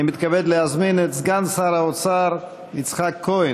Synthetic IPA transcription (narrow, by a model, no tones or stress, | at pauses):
ɪmɪt̪kabɛdlˠɪazmɪnət͡sɡant͡shaɾaɔt͡saɾ | ɪt͡sχakʰːoɪ